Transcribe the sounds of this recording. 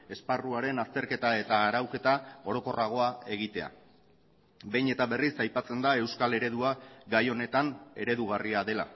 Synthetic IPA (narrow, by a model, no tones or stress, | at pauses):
e̞sparuaɾe̞nast̪e̞ɾke̞t̪ae̞t̪aːɾawke̞t̪ao̞ɾo̞ko̞raɣ̞o̞ae̞ɣ̞it̪e̞a̰ | be̞jɲe̞t̪aβe̞risajpat͡se̞nd̪ae̞wskale̞ɾe̞ðuaɡajo̞ne̞t̪ane̞̰ɾe̞ðuɣariaðe̞la̰